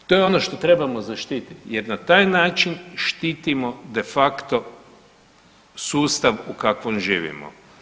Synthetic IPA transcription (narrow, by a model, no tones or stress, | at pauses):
t̪ojeo̞no̞ʃt̪o̞t̪ɾe̞bamo̞zaʃt̪iːt̪it̪je̞ɾnat̪aːjnaːt͡ʃinʃt̪iːt̪imo̞d̪e̞fakt̪o̞ | suːst̪aʋukakʋomʒḭːʋḭmo̰